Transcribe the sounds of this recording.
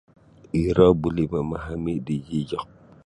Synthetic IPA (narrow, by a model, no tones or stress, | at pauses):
iɾɔbulimamaɦamidid͡ʒiɟɔk